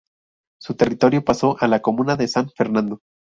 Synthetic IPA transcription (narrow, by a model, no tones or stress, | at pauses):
sut̪e̞rit̪o̞ɾjo̞paso̞ʔalako̞mũnaðe̞saɱfe̞ɾnãnd̪o̞